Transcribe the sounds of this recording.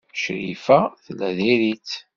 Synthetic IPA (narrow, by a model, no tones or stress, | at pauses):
ʃɾḭfæθəlːæðiɾit̪